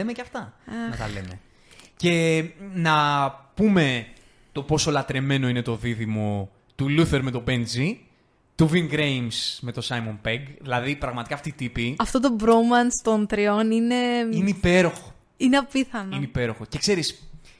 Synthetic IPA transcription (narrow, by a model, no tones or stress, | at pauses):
emeceɐft̪ɐɐnɐt̪ɐle̞me̞̰ | ce̞nɐpume̞ | t̪o̞po̞so̞lɐt̪ɾe̞me̞no̞ine̞t̪o̞ðiðimo | t̪uluθe̞ɾme̞t̪o̞benzi | t̪uviŋɡɾejmsme̞t̪o̞sɐjmo̞npeɡðilɐðipɾɐɣmɐt̪ikɐːft̪iːt̪ipiɐft̪o̞t̪̬obɾomɐnst̪o̞nt̪ɾio̞nine̞ineipe̞ɾo̞xo̥ | ineɐppiθɐnineipe̞ɾo̞xoce̞kse̞ɾis